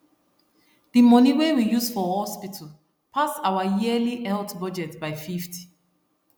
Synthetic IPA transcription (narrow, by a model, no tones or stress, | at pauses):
dimɔniwewijusfɔhɔspitʰəl | pʰasaʊwajiəliʔɛltbɔd͡ʒɛtbaɪfiftʰi̥